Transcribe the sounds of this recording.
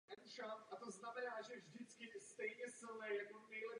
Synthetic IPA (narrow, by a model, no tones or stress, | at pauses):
ɛnɾat̪ʔat̪oznamɛnaːʒɛvʒdɪt͡skɪst̪ɛjɲɛsɪlɲɛjakonɛjlɛ